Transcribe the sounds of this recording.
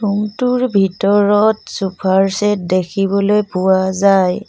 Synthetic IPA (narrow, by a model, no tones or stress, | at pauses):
tuŋtuɹbʱitɔɹɔtsupʰaɹsɛt̚dekʰibɔlojpuazaj